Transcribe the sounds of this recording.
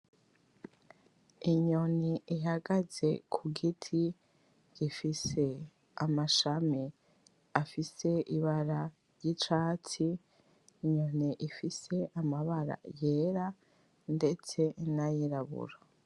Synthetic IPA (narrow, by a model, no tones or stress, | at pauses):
iɲo̞niiɦaɡaze̞kʰuɡitʰi | ɡifise̞ | amaʃami | afise̞ʔiβaɾa | ɾjit͡ʃaːt͡siː | ɲo̞niʔifise̞ʔamaβaɾa̰je̞ɾa | nde̞t͡se̞najiɾaβṵɾa